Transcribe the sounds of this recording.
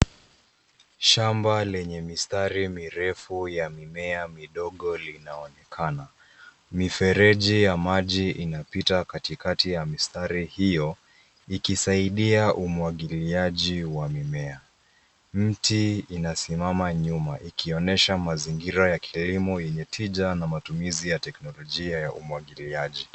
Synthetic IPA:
ʃambalɛɲɛmistaɾimiɾɛfujamimɛamiɗɔɠɔlinaɔnɛkʰana | mifɛɾɛʄijamaʄiʔinapitakatikatijamistaɾihijɔ | ikisaiɗiaʔumwaɠiliaʄiwamimɛa | m̩tiinasimamaɲumaʔikʰiɔnɛʃamaziŋɡiɾajakʰilimɔjɛɲɛtʰiʄanamatumizijatɛknɔlɔʄiajaʔumwaɠiliaʄi

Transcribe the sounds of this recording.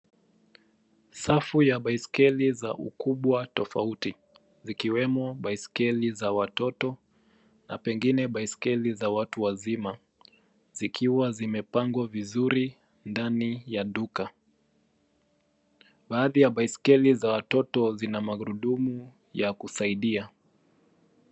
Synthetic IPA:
safujaɓaiskɛlizaʔṵkuɓwatɔfauti | zikiwɛmɔɓaiskɛlizawatɔtɔ | na̰pɛŋɡinɛɓaiskɛlizawatuwazima | zikʰiwazimɛpaŋɡwavizuɾi | ndanijaɗuka | ɓaːðijaɓaiskɛlizawatɔtɔzinamaɣɾuɗumu | jakusaiɗia

